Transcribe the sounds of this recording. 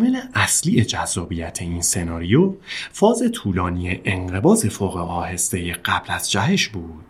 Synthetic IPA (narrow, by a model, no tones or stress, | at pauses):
meleʔæsliːje̞d͡ʒæzːɒːbijæt̪ʰe̞inse̞nɒːɾijofɒːze̞t̪ʰuːlɒːnijeʔeŋɢe̞bɒːze̞foːɣeɒːhe̞st̪e̞jeɢæb̥læz̥d͡ʒæɦeʃbuːd̪̥